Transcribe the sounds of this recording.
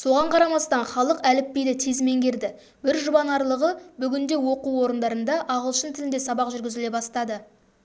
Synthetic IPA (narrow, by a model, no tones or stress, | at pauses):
so̞ʁɑɴqʰɑɾɑmɑst̪ɑnχɑlˠəqælɪpːe̞jd̪ɪt̪ʰezme̞ŋɡʲe̞ɾd̪ɪ | bɪɾʒʊbɑnɑɾlˠəʁəbʏɡʲɪnd̪e̞wo̞quwo̞ɾənd̪ɑɾənd̪ɑʔɑʁəlˠʃənt̪ʰɪlɪnd̪e̞sɑbɑqʒʏɾɡʲɪzɪle̞bɑst̪ɑd̪ə